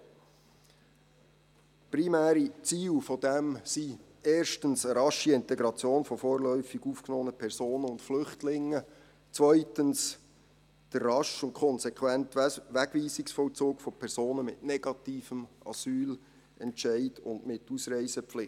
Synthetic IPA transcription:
primæːɾit͡siːwfɔdɛmsi | ɛːrʃtənsəɾɑʃiɪntɛɡɾɑt͡sjoːnfɔfoːɾlœʏfiɡufknɔːnəpʰɛɾsoːnəʊntflʏχtlɪŋːə | t͡sʋœʏtəns | d̥ərrɑʃʊnkʰɔnsɛkʰwæntʋæɡʋiːsiksfɔlt͡suːkfɔpʰɛɾsoːnəmɪtnɛɡ̥ɑtiːfəmɑ̰syːl | ɛnʃɛɪdʊndmɪtusɾɛɪsəflɪ

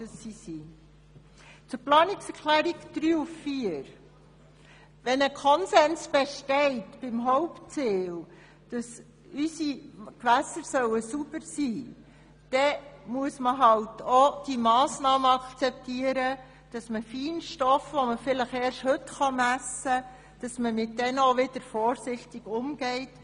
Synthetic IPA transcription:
d̥əsːisiː | t͡sʊɾplɑːnɪksɛɾkʰlæːɾiɡd̥ɾyːʊffiəɾ | ʋɛnəkʰɔnsɛnsb̥ɛʃtɛɪtb̥ɪmɦɔʊpt͡siːl | d̥ɑs | ysikʋæsəɾsœwəsub̥əɾsiː | d̥ɛmuəsməɦɑltʰɔd̥imɑːsnɑːməɑkt͡sɛp̚tiːəɾə | d̥ɑsməfiːnʃtɔfʋɔməfɪləχɛːɾʃhɵtχɑmæsːə | d̥ɑsməmɪt̚dɛnoʋɪd̥əɾfɔːɾsɪχtɪɡ̥ʊmɡ̥ɛɪt

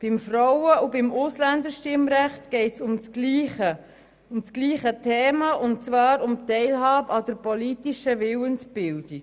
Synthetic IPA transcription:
b̥ɪmfrɔwəubɪmʊslænd̪əɾʃtɪmɾæχtɡ̥ɛɪtsʊmt͡sliə | ʊmskliːχətʰɛːmɑʔʊnt̚t͡sʋɑːɾʊmtɛɪlɦɑːbɑd̪əɾpɔlitiʃəʋɪwənsbɪld̥i

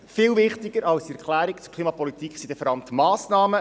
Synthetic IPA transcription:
fɪːlvɪχt̪ɪɡ̥əɾɑlsiɛɾkʰlæːɾikt͡sʊɾkʰliːmɑpɔlit̪ikχsid̥̪əfəɾɑmt̪əmɑːsnɑːmə

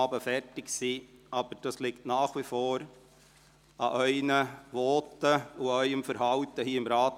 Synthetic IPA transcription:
ɑːbəfɛrtɪksiːɑb̥əɾd̥ɑslɪktnɑːχʋifoːɾ | ɑʔœʏnəʋoːtəuœʏəmfəɾɦɑʊtəhiːɪmɾɑːt

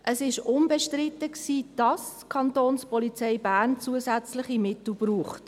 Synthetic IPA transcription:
ʔəsɪʃʊnbɛʃtrɪtəksiːd̥ɑs | kʰɑntoːnspɔlit͡sɛɪbæːɾnt͡suəzæt͡slɪχimɪtl̩b̥ruːχt

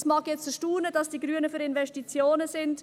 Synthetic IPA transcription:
smɑːɡjɛt͡stəʃtuːnədɑsd̥iːɡɾyːənəfyɾɪnvɛʃtit͡sjoːnəsɪnd

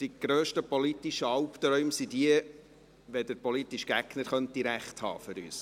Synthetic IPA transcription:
d̥iɡ̥ɾøːʃtəpɔlitiʃəɑlpt̪ɾœɥmsidiə | ʋɛdəɾpɔlit̪ːiʃɡ̥æɡnəɾχœnt̪ːiɾæχthɑ̰ːfʏɾy̰ːs

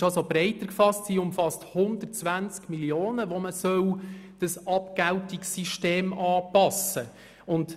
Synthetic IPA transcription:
ɑsobɾɛɪtəɾkfɑstsiːʊmfɑsthʊnd̪ətt͡sʋænt͡skmiljoːnəʋoməsœwd̥ɑsɑpɡæwtiksiʃteːmɑːpɑsə | ʊnd

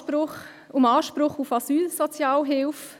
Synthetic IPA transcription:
pɾʊχ | ʊmɑːʃpɾʊχufɑsyːlsɔt͡sjɑːlɦɪlf

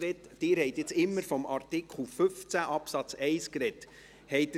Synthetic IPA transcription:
ɛtd̥ɪːɾhɛɪt̪jɪt͡sɪmːəɾfɔmʔɑɾt̪ɪkʰχl̩fʏft͡sæʔɑpsɑt͡sɛɪskɾɛt | hɛɪt

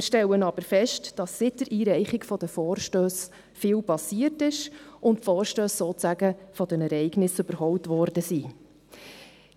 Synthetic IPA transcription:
mɪːɾʃtɛwənɑb̥əɾfɛʃtd̥ɑsːɪt̚dəɾʔiːɾɛɪχɪɡfɔd̥əfɔːɾʃtøːs | fɪːlpɑsiəɾtɪʃʔʊntfɔːɾʃtøːsːoːt͡sæɡəfɔd̥̪ənɛɾɛɪɡnɪsɵbəɾɦɔwtʋɔɾd̥əsiː

